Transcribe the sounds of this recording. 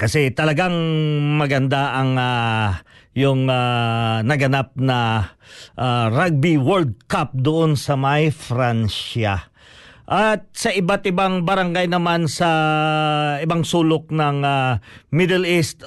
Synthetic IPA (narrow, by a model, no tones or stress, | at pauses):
kɐsɛt̪ɐlɐɡaŋmɐɡɐnd̪aʔɐŋa | jʊŋanɐɡɐnap̚nɐ | ʔaɾaɡ̚biwɛɹld̪̚kap̚d̪ʊʔonsɐmajfɾanʃa | ʔat̪̚sɐʔɪbat̪ɪbaŋbɐɾɐŋɡajnɐmansɐ | ɪbaŋsuːlok̚nɐŋamɪd̪ɛlist̪